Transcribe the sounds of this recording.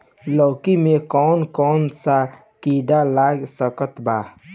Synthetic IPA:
lɔːkimekɔːnkɔːnsa | kid̪alaɡsəkət̪ba

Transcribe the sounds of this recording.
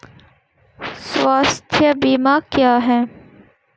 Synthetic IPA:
sʋaːst̪ʰjəbiːmakjaːɦɛː

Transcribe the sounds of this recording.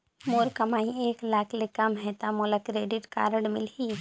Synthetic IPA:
moːɾkəmaːĩeːklaːkʰlɪkːamɦɛt̪amoləkɾeːɖɪʈka̰ːɾəɽmɪ̰lɦiː

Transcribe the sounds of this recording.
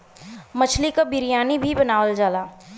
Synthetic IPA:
mət͡ʃʰlikobɪɾijaːnibʱibənaːwəld͡ʒaːlaː

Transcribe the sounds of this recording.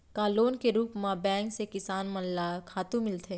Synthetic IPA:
kaːloːnkeɾuːpmãbɛ̃ːŋksekɪsaːnmɐnlakʰaːt̪ũmɪlt̪ʰeː

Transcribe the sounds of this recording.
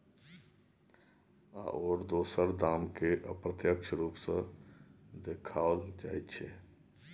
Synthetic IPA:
a̰ʔoːɾd̪oːsəɾd̪aːmkeʔə̰pɾət̪jəkʃʰɾuːpsə | d̪eːkʰaːld͡ʒa̰ːitt͡ʃʰe

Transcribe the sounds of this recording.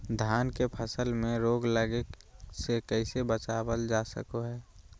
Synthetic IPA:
d̪ʱjaːnkepʰəsəlmẽɾoːɡləɡe | sekɛɪsebət͡ʃaːbəld͡ʒaːsə̰koɦɛː

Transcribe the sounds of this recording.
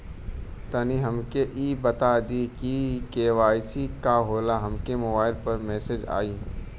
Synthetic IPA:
t̪ɐniɦɐmkeʔiːbɐt̪ad̪ikikeːwaːɪsikaɦoːlaɦɐmkemobaːɪlpɐɾmɛːsed͡ʒa̰ːiː

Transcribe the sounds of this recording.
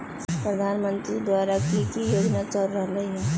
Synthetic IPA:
pɾəd̪ʱaːnmə̃nt̪ɾid̪waːɾakikijoːd͡ʒnat͡ʃəlɾəɦləɦiɦɛː

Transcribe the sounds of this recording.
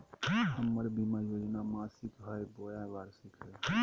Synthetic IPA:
həmːəɾbimajoːd͡ʒnamaːsikɦəjbojãʋaːɾsikɦəj

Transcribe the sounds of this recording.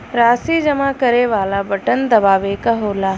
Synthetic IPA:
ɾaːsiːd͡ʒɐmaːkɐɾeːʋaːlabɐʈənd̪ɐbaːʋeːkaɦoːlaː

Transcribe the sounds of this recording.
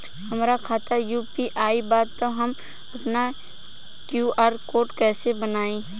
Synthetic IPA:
hɐmɾakʰaːt̪ajuːpiʔaːibaːd̪t̪oɦəm | ɐpna | kjuːaːɾkoːʈkɛːsebənaːẽː

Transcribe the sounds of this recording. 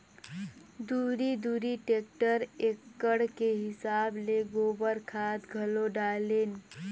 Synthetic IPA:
d̪uɾid̪uɾiʈek̚ʈəɾekːəɽkeɦisableɡobəɾkʰat̪ɡʱəloɖalen

